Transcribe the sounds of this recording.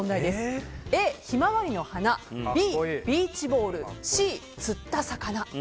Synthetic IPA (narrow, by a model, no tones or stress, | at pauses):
õnd̪aid̪e̞sɨeːçimaβaɾʲino̞hanabʲiːb̥ʲiːt͡ɕibo̞ːɾɯ̟ɕiː | t͡sɨt̪ːasakana